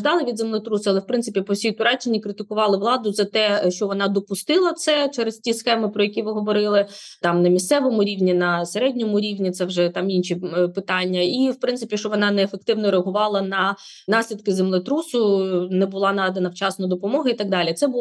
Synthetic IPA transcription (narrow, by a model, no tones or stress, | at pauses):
d̪ɑlˠɪʋʲid̪zemlˠɪt̪ɾusʊɐlˠɛwpɾɪnsɪpʲipɔwsʲijt̪ʊɾɑt͡ʃenʲːikɾɪt̪ɪkʊʋɑlˠɪʋlˠɑd̪ʊzɐt̪ɛʃt͡ʃɔʋɔnɑd̪ɔpʊst̪ɪlˠɐt̪sɛt͡ʃɛɾɪstʲisxɛmɪpɾɔjɐkʲiʋɪɦɔʋɔɾɪlˠɪt̪ɑmnɐmʲist̪sɛʋɔmʊɾʲiwnʲinɐseɾɛdʲnʲɔmʊɾʲiwnʲit̪sɛwʒɛt̪ɑminʃʲipɪt̪ɑnʲːɐiwpɾɪnɪpʲiʃt͡ʃɔʋɔnɑnɛːfek̚t̪ɪwnɔɾeɐɦʊʋɑlˠɐnɐ | nɑsʲlʲid̪̚kɪzemlˠɪt̪ɾusʊnɛbʊlˠɑnɑd̪enɐwt͡ʃɑsnɔd̪ɔpɔmɔɦɐit̪ɑɡ̚d̪ɑlʲit̪sɛbʊ